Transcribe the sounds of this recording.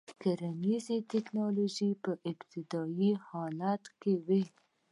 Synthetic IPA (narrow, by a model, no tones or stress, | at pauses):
kaɾanizit̪ɪknɑloʒipəʔɪbt̪ɪd̪ɑjihɑlat̪kewi